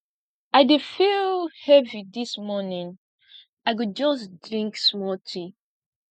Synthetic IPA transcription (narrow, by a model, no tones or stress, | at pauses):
aɪdefilhɛvidismɔnĩŋ | aɪɡud͡ʒɔsdɹĩŋksmɔtʰi